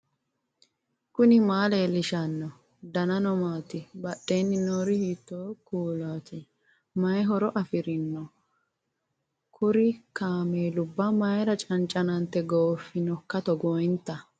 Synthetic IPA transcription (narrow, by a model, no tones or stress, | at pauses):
kʊnɪmaːleːlɪʃɐnːɔ | d̪ɐnɐnɔmaːt̪ɪbɐɗːeːnːɪnoːɾɪhiːt̪ːoːkuːlaːt̪ʰɪ | mɐjɦɔɾɔʔɐfɪɾɪnːɔ | kʰʊɾɪkaːmeːlʊbːɐmɐjɾɐt͡ʃʼɐnt͡ʃʼɐnɐnt̪ːɛɡoːfːɪnɔkːɐt̪ɔɡɔjnt̪ːɐ